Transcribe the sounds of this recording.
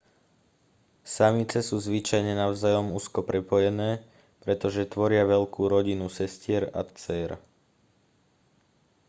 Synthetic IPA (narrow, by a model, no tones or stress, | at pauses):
samit͡sɛsuːzʋit͡ʃajɲɛnaʊzajɔmuːskɔpɾɛpɔjɛnɛː | pɾɛt̪ɔʒɛt̪ʋɔɾɪaʋɛʎkuːɾɔɟinusɛscɪɛɾa̰t̪t͡sɛːɾa̰